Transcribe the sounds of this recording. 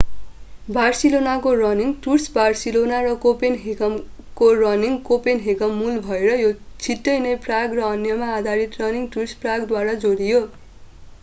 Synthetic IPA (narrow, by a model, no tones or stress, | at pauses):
barsilonakorʌniŋʈursbarsilonaɾʌkopenɦeɡʌm | korʌniŋkopenɦeɡʌmːulbʱʌeɾʌjot͡sʰit̪ːʌjnʌjpraɡrʌʌnjʌmaːd̪ʱaɾit̪rʌniŋʈurspraɡd̪waɾad͡zoɾijo